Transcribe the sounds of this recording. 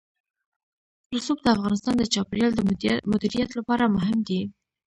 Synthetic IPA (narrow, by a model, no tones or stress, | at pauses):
lʊsupd̪əafɣɑnɪst̪ɑnd̪ət͡ʃɑpɪɾjɑld̪əmʊd̪iɾijat̪lapɑɾamʊɦɪmd̪i